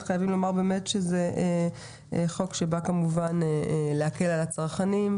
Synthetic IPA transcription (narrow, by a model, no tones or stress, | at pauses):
χajavimlo̞maʁbe̞me̞tʃezeʔ | χo̞kʃe̞bakamuvaneleake̞lalat͡saʁχanim